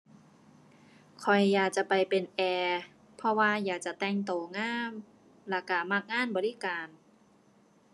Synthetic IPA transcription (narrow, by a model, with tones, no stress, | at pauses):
kʰɔ˨˩jːaː˨˩k̚t͡ɕa˨˩ʔpa˨jpe˨˩nʔɛː˧ | pʰɔ˧waː˧jaː˨˩k̚t͡ɕa˨˩t̪ɛː˧˩ŋt̪oː˨˩ŋaː˥˩m | la˧˩kaː˧˩maː˧˥˩k̚ŋaː˥˨nbɔː˨li˦˥˨kaː˨˧n